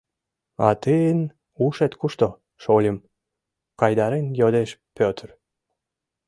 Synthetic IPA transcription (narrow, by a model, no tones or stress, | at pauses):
ɑ̰t̪əən | uʃet̪kuʃt̪o | ʃolʲəm | kɑjd̪ɑɾenjod̪eʃpøt̪ər